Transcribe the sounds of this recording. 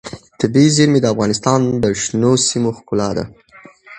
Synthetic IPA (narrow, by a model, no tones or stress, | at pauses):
t̪ɪbiziɾmid̪əafɣɑnɪst̪ɑnd̪əʃnosimoxkʊlɑd̪a̰